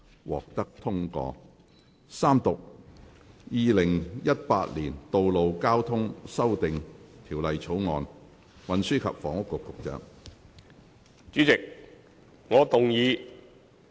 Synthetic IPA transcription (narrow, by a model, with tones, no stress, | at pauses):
wʔɔː˨k̚t̪ɐ˥k̚t̪ʰʊ˥ŋkɔ̰ː˧ | saː˥mt̪ʊ˨k̚ | jiː˨˧lɪ˨˩ŋjɐ˥t̚pa̰ː˧t̚liː˨˩nt̪o˨wlo˨wkaː˥wt̪ʰʊ˥ŋsɐ˥wt̪ɪ˨ŋt̪ʰiː˨˩wlɐ˨jt͡sʰo˨˥wŋɔː˨˧n | wɐ˨˧nsyː˥kʰɐ̰˨p̚fɔ̰ː˨˩ŋʊ˥kːʊ˨˧kːʊ˨˧k̚t͡ʃœ̰ː˧ŋ | t͡ʃyː˨˥t͡sɪ˨k̚ | ŋɔː˨˧t̪ʊ˨ŋjiː˨˧